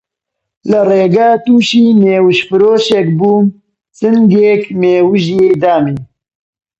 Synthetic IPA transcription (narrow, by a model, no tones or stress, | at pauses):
lɨreːɡaːt̪uːʃiːneːwɨʃfɨɾoːʃɛkbuːm | t͡sɨnɡeːkmeːwuʒjeːd̪aːmiː